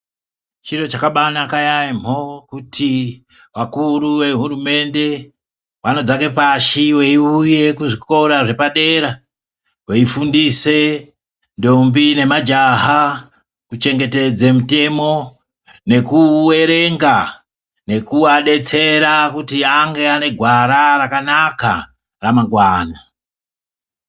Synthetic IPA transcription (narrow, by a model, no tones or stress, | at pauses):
t͡ʃiɾo̞t͡ʃakaɓanakajaim̤o̞kutʰi | ʋakuɾuʋe̞ɦurume̞nde̞ | wano̞d͡zake̞paʃiwe̞iuje̞kuʐiko̞ɾaʐe̞paɗe̞ɾa | we̞ifundise̞ | ndo̞mbine̞mad͡ʒaɦa | kut͡ʃe̞ŋɡe̞te̞d͡zemute̞mo̞ | ne̞kuweɾe̞ŋɡa | ne̞kuaɗe̞t͡se̞ɾakutiaŋɡe̞ane̞ɡʱwaɾarakanaka | ramaŋɡwaːna